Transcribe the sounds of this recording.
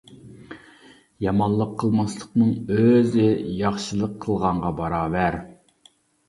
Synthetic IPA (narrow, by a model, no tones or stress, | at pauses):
jɑmɑnlˠəqʰːəlˠmɑslˠəqnɨŋøzɪjɑχʃəlˠəqʰːəlˠʁɑɴʁɑbɑɾɑːvæɾ